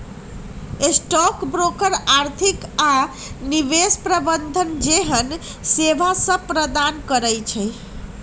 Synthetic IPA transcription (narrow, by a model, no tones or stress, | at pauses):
esʈɔkbɾokəɾaɾt̪ʰika | niʋespɾəbənd̪ʱənd͡ʒeɦən | sebʱasə̃pɾəd̪ankəɾəjt͡ʃʰɛ